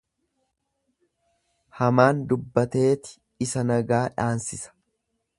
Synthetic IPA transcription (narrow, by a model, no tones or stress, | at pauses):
hɐmaːnd̪ʊbːɐt̪e̞ːt̪ɪ̥ | ɪsɐnɐɡaːᶑaːnsɪsɐ̥